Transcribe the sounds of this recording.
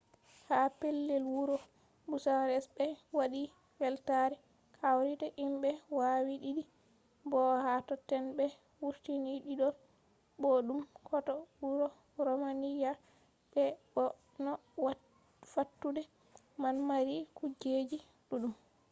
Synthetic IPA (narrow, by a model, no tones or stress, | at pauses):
hapɛlːɛlwuɾɔ | busaɾɛsbɛwaɗi | fɛltaɾɛ | kʰawɾitaʔimbɛwawiɗiɗi | bɔhatɔtːɛnbɛ | wuɾtiniɗiɗɔ | bɔɗumkʰɔtɔwuɾɔ | ɾɔmanija | ɓɛ | ɔ | nɔwa | fatːudɛ | manmaɾikud͡ʒed͡ʒi | ɗuɗum